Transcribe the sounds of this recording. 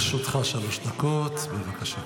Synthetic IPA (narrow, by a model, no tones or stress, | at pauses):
ʃot̪χaʃaloʃd̪akot̪bevakaʃa